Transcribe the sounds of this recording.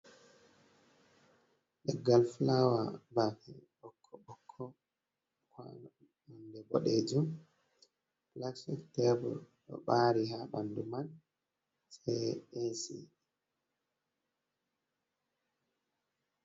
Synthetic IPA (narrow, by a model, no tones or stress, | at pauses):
ɗɛɡːalflawabafɛ̰ɓɔkʰːɔɓɔkʰːɔ | ka̰ | andɛbɔ̰ɗed͡ʒum | plaksiktɛbɔlɗɔ̰ɓaːɾiɦaɓanduman | sɛjesḭ